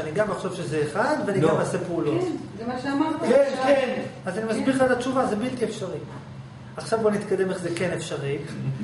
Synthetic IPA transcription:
aniɡamaχʃo̞vʃe̞zeːχad̪veaniɡamaːsepeulonzemaʃeamaʁt̪enkenazanimazbiʁχalat͡ʃuvazebilt̪iefʃaʁi | aχʃavbo̞nit̪kad̪e̞me̞χzeke̞nefʃaʁi

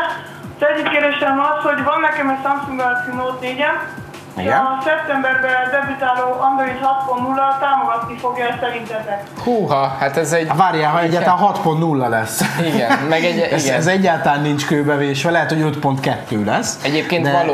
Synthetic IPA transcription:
zɛɟːit̪̚keːrd̪eːʃɛmɒsho̞ɟvɒnːɛkɛmɛcsɒmksuŋɡ̪ɒsinoːt̪neːɟɛn | iʃɒsɛp̚t̪ɛmbɛrbɛd̪ɛbyt̪aːloːʔɒnd̪ɾoit̪hɒt̪̚pont̪nulːɒt̪aːmoɡɒt̪nifo̞ɡjɒɛssɛɾint̪ɛnnɛk | huːɦɒhat̪ɛzɛɟvaːɾjaːɦɒɛɟːaːtt̪lanɦɒt̪pont̪nulːɒlɛsːiɡɛnmɛɡɛɡɛzɛɟːaːlt̪ɒlaːnːint͡ʃkøːbɛveːʃʋɛlɛɦɛt̪hoɟøt̪po̞nt̪kɛt̪ːøːlɛsːɛɟeːp̚keːnd̪ɛɒl

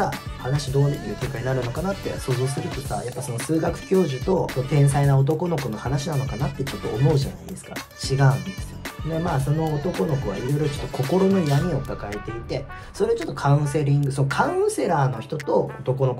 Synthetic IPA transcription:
ahanaɕid̪o̞ːnajɯ̟ːk̪ʲekaɲ̟inaɾɯ̟no̞kanat̪ːe̞̰so̞ːzosɨɾɯ̟t̪o̞sa̰japːaso̞no̞sɨːɡakɯ̟̥kʲo̞ːʑɨt̪o̞sot̪ẽɰ̃sainao̞t̪̬o̞ko̞no̞kono̞hanaɕinano̞kanat̪ːe̞t͡ɕo̞t̪ːo̞ːmo̞ɯ̟ʑa̰na̰id̪e̞sɨ̥ka̰ | t͡ɕiɡaɯ̟̃nd̪esnemaːso̞no̞ːt̪o̞ko̞no̞koβa̰iɾo̞iɾo̞t͡ɕo̞̥t̪ːo̞kʰo̞ko̞ɾo̞no̞jaɲ̟ʲio̞kakae̞t̪e̞it̪e̞ | so̞ɾe̞t͡ɕot̪ːo̞kʰãɯ̃se̞ɾʲĩŋɡɯ̟so̞nokʰãse̞ɾaːno̞çi̥t̪o̞t̪o̞o̰t̪o̞ko̞no̞k

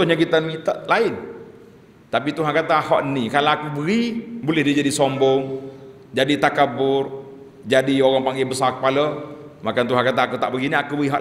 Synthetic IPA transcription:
t̪ʊhɲakit̪ənkit̪əʔlaɪn | t̪ap̬it̪uɦankat̪ahɔʔnikalaakubəɾibolɛhdid͡ʒadisombɔŋ | d͡ʒadit̪akabʊr | d͡ʒadioɣaŋpaŋɡɪŋbəsarkə̥paləmakant̪uɦankat̪̬aːkut̪aʔbəɡiniakubəiɦɔ̰ʔ

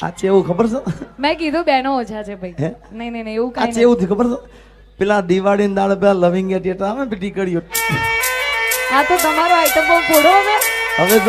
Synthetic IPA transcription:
a̰t͡ʃʰeeːʋũkʰəbəɾsəmɛ̃k̬id̪ʱũɓɛːnoot͡ʃʰat͡ʃʰebʱainəinəinə̃ĩeũkaat͡ʃeeʋũt̪ʰikʰəbəɾsə | pɪlãːɗ̪iʋaːɽind̪aːɽpɛlãləʋɪ̃ŋɡjaʈeʈəɾaːmẽpɪʈikəɽijo | ɦãt̪ot̪əmaɾoaɪʈ̪əmopoɽ̤oəʋẽɦəʋe

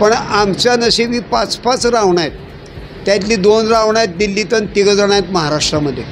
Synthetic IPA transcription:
pəɳamt͡ɕjanəɕeʋiːpat͡spat͡sɾaʋɳajt̪ː | jat̪liːd̪onɾaʋɳajat̪̚d̪ilːit̪ənt̪iɡəd͡zaɳ̃ajat̪məɦaɾaʂʈɾaməd̪ʱːje

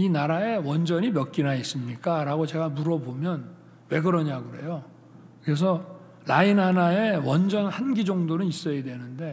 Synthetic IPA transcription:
inaɾae̞wʌnd͡ʑʌɲimjʌk̚k͈inais͈ɯmɲik͈aɾaɡot͡ɕe̞ɡamuɾʌbomjʌn | we̞ɡɯɾʌɲaɡɯɾe̞̰jo | kɯɾe̞s̬ʰʌ | lainɦanae̞wʌnd͡ʑʌnhanɡid͡ʑʌŋdonɯnis͈ʌjedwe̞nɯnde̞

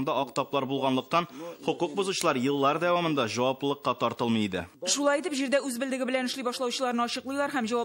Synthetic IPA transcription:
nd̪ɑɒqt̪ɒplˠɑɾbulˠʁɑnlˠɤ̆q̚t̪ɑnχŏquq̚buzuɕɤ̆lˠɑɾjɤ̆lˠːɑɾd̪æwɑmɤ̆nd̪ɑʑɒwɑplɤlˠɤ̆qːɑt̪ɒɾt̪ɤlˠmɤjid̪ɘ̰ʃulˠɑjit̪ɘpʑiɾd̪æʉzbɘ̆ld̪ɘ̆ɡɘbɘ̆lænɘ̆ʃlibɒʃlˠɑwɕɤ̆lˠɑɾnɤɒɕɤ̆qlˠɤ̆jlˠɑɾɦæmʑɒwɑ

